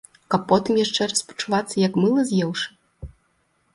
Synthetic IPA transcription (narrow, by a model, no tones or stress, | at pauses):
kɐpːɔt̪ɨmjaʂt͡ʂɛrɐspɐ̥t͡ʂuvat̪sːɐjɐkmɨlˠɐzʲjɛwʂɨ̥